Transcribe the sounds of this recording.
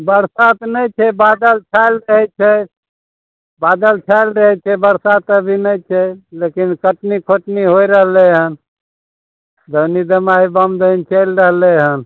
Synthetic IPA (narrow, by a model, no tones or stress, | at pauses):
bəɾsat̪nəjt͡ʃʰɛbad̪əlt͡ʃʰajlɾəɦɛt͡ʃʰɛ | bad̪əlt͡ʃʰajlɾəɦɛt͡ʃʰɛbəɾsat̪əbʱinəjt͡ʃʰɛlekinkəʈnikʰoʈniɦoiɾəɦleɦən | d̪ʱənid̪əmaibəmd̪ənt͡ʃəjlɾəɦleɦən